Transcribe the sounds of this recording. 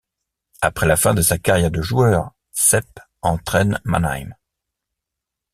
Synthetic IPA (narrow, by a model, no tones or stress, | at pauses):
apχɛlafɛ̃d̪əsakaʁjɛʁd̪əʒuœːʁ | sɛp | ɑ̃t̪χɛnma̰na̰jm